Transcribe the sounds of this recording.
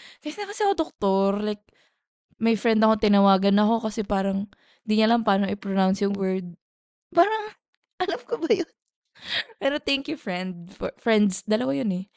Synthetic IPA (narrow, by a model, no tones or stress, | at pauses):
kɐsnɐkɐsɛɐkod̪ok̚t̪oɹlajk̚ | mɐjfɹɛnd̪ɐko̞t̪ɪnɐwaːɡɐnːɐko̞kɐsɛpaːɾɐŋ | ɪnd̪iɲɐlampaːnoʔɪpɹonawnsjʊŋwɛɹd̪̚ | paːɾɐŋ | ʔɐlamkobɐjon | pɛːɾot̪ɛŋkjufɹɛnd̪̚fɔfɹɛnd̪sd̪ɐlɐwajonɛ